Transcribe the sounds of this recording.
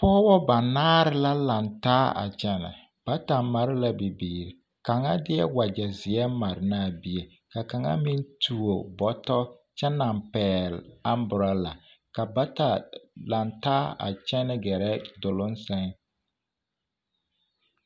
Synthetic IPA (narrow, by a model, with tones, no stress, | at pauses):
pɔː˦bɔ˦ba˨naː˦ɾɪ˦la˦la˨ntaː˦a̰˨t͡ʃɛ˦nɛ̰˨ | b̥a˦ta˨ma˨ɾɪ˦la˦bi˨biː˨ɾɪ˨ | ka˨ŋa̰˦dɪ˦ɛ̰˦wa˨d͡ʒɛ˨zɪ˨ɛ˦ma˨ɾɪ˨na˦˨bi˦e˨ | ka˨ka˨ŋa̰˦mi˦n˦tʰu˨o˨bɔ˨tɔ˦t͡ʃɛ˦na˨mpɛː˨la˦mbʊ˨ɾa˦la˨ | ka˨ba˦ta˨la˨ntaː˦a̰˨t͡ʃɛ˦nɛ˦ɡɛ˨ɾɛ˦dʊ˨lʊ˦nsɛ˦ŋ